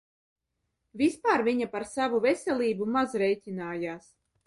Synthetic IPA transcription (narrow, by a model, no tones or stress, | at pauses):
vʲispaːɾvʲiɲapaɾsavuvesʲɛlʲiːbumazɾɛjtʲinaːjaːs